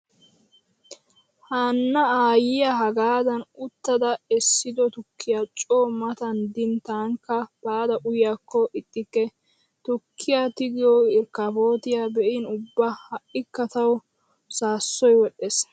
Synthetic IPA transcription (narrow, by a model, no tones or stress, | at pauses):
haːnːɐaːjɪjaɦɐɡaːd̪ɐnʊt̪ːɐd̪ɐɛsːɪd̪ɔt̪ʊkʰːɪjat͡ʃʼoːmɐt̪ɐnd̪ɪnt̪aːŋkːɐb̥aːd̪ɐʔʊjjakːɔʔɪt̪ʼːɪkːɛ | t̪ʊkʰːɪjat̪ɪɡɪjɔɪɾkafoːt̪ɪjabɛʔɪnʊbːɐhɐʔɪkːɐt̪ɐw | saːsːɔjwɔɗes